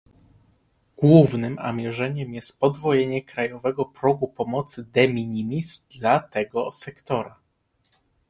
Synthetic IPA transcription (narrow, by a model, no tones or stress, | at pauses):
ɡ̥wuvnɘma̰mʲjɛʐɛɲɛmjɛst̪pɔd̪vɔjeɲɛkɾajɔvɛɡɔpɾɔɡupɔmɔt̪sɘd̪ɛmʲiɲimʲisd̪lat̪ɛɡɔsɛkt̪ɔɾa